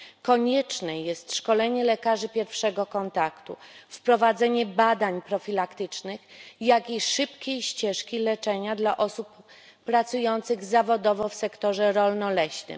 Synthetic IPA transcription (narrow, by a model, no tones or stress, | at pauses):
kɔɲɛt͡ʂnɛjɛst̪ʂkɔlɛɲɛlɛkaʐɘpʲjɛɾfʂɛɡɔkɔnt̪akt̪ṵfpɾɔvad̪zɛɲɛbad̪aɲpɾɔfʲilakt̪ɘt͡ʂnɘxjakiʂɘpkʲejɕt͡ɕɛʂkʲilɛt͡ʂɛɲad̪laʔɔsupː | ɾat̪sujɔnt̪sɘɣzavɔd̪ɔvɔfsɛkt̪ɔʐɛɾɔlnɔlɛɕnɘ̰m